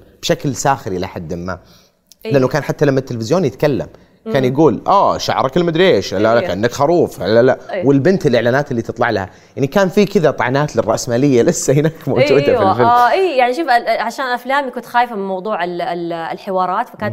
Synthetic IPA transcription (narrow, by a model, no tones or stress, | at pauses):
b̥ʃaklsaːxɪɾiʔlaħad̪ːmɪmːa̰ | lʔanːakaːnħat̪ːalamːat̪ːɪlfɪzjoːnjɪt̪kalːa̰m | kaːnjaɡuːlʔaːʃa̰ʕɾˤɑkɪlmad̪ɾeːʃhalːalakʔanːakxɑɾˤuːfha̰lːalaʔwɪlbɪnt̪ɪlʔɪʕlaːnaːt̪ɪlːiːt̪ɨt̪ˤlɑʕlaha | jaʕnikaːnfikɪðat̪ˤɑʕɑ̰naːt̪lɪrˤːɑʔsmaːlɪjːalɪsːahɪnaːkmowd͡ʒuːd̪afilfɪlʔiːjaʕniʃuːfʕaʃaːnʔaflaːmjakuːnt̪xaːjfamɪnmɑwd̪ˤuːʕɪlħɪwɑːɾˤɑːt̪fakaːn